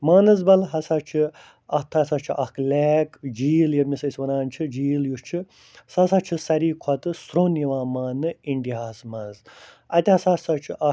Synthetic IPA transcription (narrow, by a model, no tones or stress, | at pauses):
maːnɐzbɐlɦɐsɐːt͡ʃʰi | ɐht̪ʰɐːsɐt͡ʃʰiʔɐhklɛːkd͡ʒiːljɐmisɐisʲʋɐnaːnt͡ʃʰid͡ʒiːljut͡ʃʰi | sɐːsɐt͡ʃʰisɐɾiːkʰɐt̪ɨsɾoːnjiʋãːmaːnɨiɳɖiɦaːsmɐz | ɐt̪ʲhɐsaːsɐt͡ʃʰiʔɐ